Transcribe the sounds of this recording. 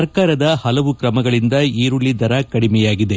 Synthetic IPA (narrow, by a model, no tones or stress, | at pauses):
ɐɾkaːɾɐd̪ɐhɐlɐʋukɾɐmɐɡɐɭind̪ɐiːɾuɭːid̪ɐɾɐkɐɽimɛjaːɡid̪e